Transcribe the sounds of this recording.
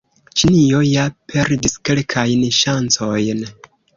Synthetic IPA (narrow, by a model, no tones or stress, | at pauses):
t͡ʃinio̞japʰe̞ɾdiske̞lkʰajnʃant͡so̞jn